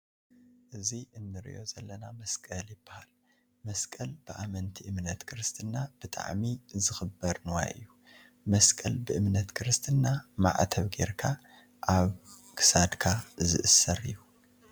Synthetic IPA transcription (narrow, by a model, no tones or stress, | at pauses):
ʔɨziɨnːɨɾḭʔo̞zɐlːɐnamɐskʼɐljɪbːahal | mɐskʼɐlb̥ɨʔamɐnt̪ʰiʔɨmnɐt̪kʰɾɨst̪ʰʼɨnːab̥ɨt̪ʼa̰ʕmizɨxɨbːɐɾnɨwa̰jʔɨ̰jːu | mɐskʼɐlbɨʔɨmnɐt̪kʰɨɾɨst̪ʰɨnːama̰ʕt̪ʰɐβɡe̞̰ɾkʰa | ʔaβ | kʰɨ̥sad̪kʰazɨ̰ʔɨsːɐɾɨ̰jːu